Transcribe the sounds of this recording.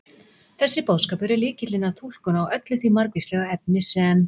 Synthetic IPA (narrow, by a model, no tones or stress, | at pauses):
θɛsːɪpoðskaːpɛɾɪlɪːcɪt̪lɪnat̪ʰul̥kʏnawœt̪lʏθvimaɾkvistlɛɣaɛp̚nɪsɛn